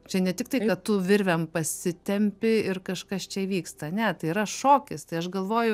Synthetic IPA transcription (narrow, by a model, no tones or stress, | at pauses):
t͡ʃʲɛnʲɛt̪ʲɪk̚t̪ɐɪkɐtt̪ʊʋʲɪɾʲʋʲɛmpɐsʲɪt̪ʲɛmʲpʲɪɪrkɐʃkɐst͡ʃʲɛʋʲiːkst̪ɐːnʲɛt̪ɐɪiːɾɐʃoːkʲɪst̪ɐɪɐʃɡɐlˠʋoːjʊ